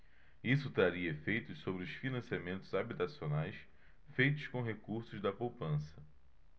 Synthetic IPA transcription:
isʊt̪ɾaɾiɐefejt̪ʊsobɾɪʊsfinɐ̃siamẽnt̪ʊzabit̪asionajs | fejt̪ʊskõɦekuɾsʊzd̪ɐpowpɐ̃sɐ

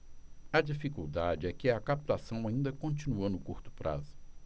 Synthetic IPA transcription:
ɐd͡ʒifikṵd̪ad͡ʒɪɛkɪɐkapit̪asɐ̃w̃aĩnd̪ɐkõnt͡ʃinuɐnʊkuɾt̪ʊ̥pɾʔa̰zʊ̥

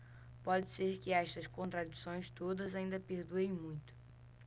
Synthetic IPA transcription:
pɔd͡ʒɪseɾkɪɛʃt̪ɐskõnt̪ɾad͡ʒisõj̃st̪od̪ɐzaĩnd̪ɐpeɾd̪uẽj̃mũj̃t̪ʊ̥

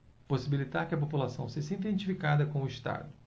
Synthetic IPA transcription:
posibilit̪aɾkɪɐpopulasɐ̃w̃seʒɐĩnt̪ẽnt͡ʃifikad̪ɐkõw̃ʊist̪a̰d̪ʊ

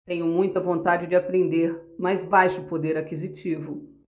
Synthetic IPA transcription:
t̪ẽɲʊmũj̃t̪ɐvõnt̪ad͡ʒɪd͡ʒɪapɾẽnd̪eɾmajzbajʃʊpod̪eɾakizit͡ʃivʊ

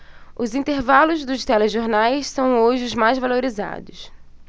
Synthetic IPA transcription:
ʊzĩnt̪eɾvalʊzd̪ʊʃt̪ɛleʒoɾnajssɐ̃w̃oʒɪʊzmajzvaloɾiza̰d̪ʊs

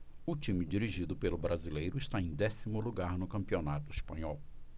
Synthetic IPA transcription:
ʊt͡ʃĩmɪd͡ʒiɾiʒid̪ʊpelʊbɾazilejɾʊɪʃt̪aẽj̃d̪ɛsimʊluɡaɾnʊkɐ̃mpionat̪ʊispɐ̃ɲɔw

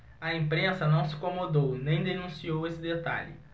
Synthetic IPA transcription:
ɐẽpɾẽsɐnɐ̃w̃sɪ̥kõmod̪ownẽj̃d̪enũsiowesɪd̪et̪a̰ʎɪ̰

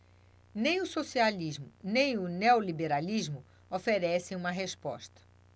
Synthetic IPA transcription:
nẽj̃ʊsosializmʊnẽj̃ʊneolibeɾalizmʊ | ofeɾɛsẽj̃ũmɐɦespɔ̰ʃt̪ɐ̥

